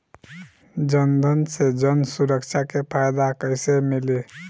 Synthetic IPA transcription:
d͡ʒənd̪ʱənsed͡ʒənsuɾəkt͡ʃʰakepʰajd̪akəjsemile

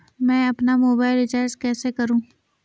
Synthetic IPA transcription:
mɛ̃ːɐpnamoːbaːɪlɖɪt͡ʃəːɾskɛːsekɐɾũː

